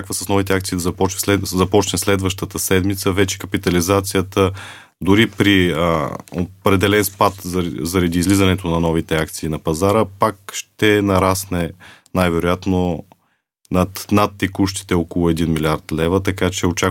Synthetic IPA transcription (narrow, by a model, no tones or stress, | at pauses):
kvəsɐsnɔvit̪ɛakt̪siːd̪ɐzɐpɔt͡ʃnɛɛzɐpɔt͡ʃnɛslɛd̪vəʃt̪ət̪əsɛd̪mit̪səvɛt͡ʃɛ̥kɐpit̪ɐlizat̪sijət̪ə | d̪ʊɾipɾi | o̰pɾɛd̪ɛlɛnspat̪zɐɾɐd̪iːzlizɐnɛt̪onɐnɔvit̪ɛakt̪siːnɐpɐzaɾəpakʃt̪ɛnɐɾasnɛnajvɛɾojat̪no | nɐt̪nat̪ːɛkuʃt̪i̥t̪ɛɔkolˠʊɛd̪inmilʲiaɾt̪lɛvət̪ɐkat͡ʃɛot͡ʃa